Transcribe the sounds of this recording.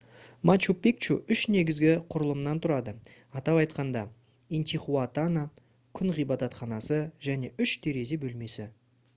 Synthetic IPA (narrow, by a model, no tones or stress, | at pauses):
mat͡ʃupik̚t͡ʃuʏʃne̞ɡʲɪzɡʲɪqʰʊɾəlˠəmnɑnt̪ʰʊɾɑd̪ə | ɑt̪ɑpɑjt̪qɑnd̪ɑ | ent̪ʲiχuat̪ana | kʲʰʏnʁijbɑt̪ɑt̪χɑnɑsəʒæne̞ʔʏʃt̪ʰeɾe̞ze̞bɵlme̞sɪ